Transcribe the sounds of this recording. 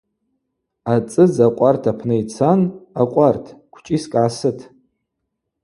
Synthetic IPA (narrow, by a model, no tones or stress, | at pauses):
at͡sʼɨzaqʷʼartʰapʰnɨit͡sʰanaqʷʼartʰkʷʰt͡ʃʼiskʼʕasɨtʰ